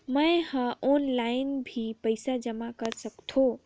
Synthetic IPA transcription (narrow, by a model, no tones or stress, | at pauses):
məjhə̃onlaɪnbʱipəɪsad͡ʒəmakəɾsəkt̪ʰõ